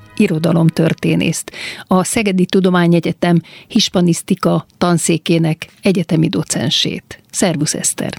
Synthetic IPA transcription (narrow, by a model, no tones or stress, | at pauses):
iɾo̞d̪ɒlo̞mt̪ø̞rt̪eːnʔḛːst̪ɒsɛɡɛd̪it̪ud̪o̞maːɲɛɟɛt̪ɛmhiʃpɒnist̪ikɒt̪ɒnseːkeːnɛkɛɟɛt̪ɛmid̪o̞t̪sɛ̰nʃḛːt̪sɛrbusɛ̰st̪ɛ̰r